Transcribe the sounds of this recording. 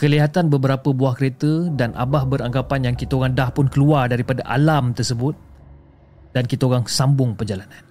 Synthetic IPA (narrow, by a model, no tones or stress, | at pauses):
kəliɦat̪anbəbəɾapəbuahkəɾet̪ədanʔa̰bahbəɾaŋɡapanjaŋkit̪əoɣaŋdahpʊnkəluardaɾipadaʔa̰lamt̪ərsəbʊt̪̚ | d̥ankit̪əoɣaŋsambʊŋpənd͡ʒalanan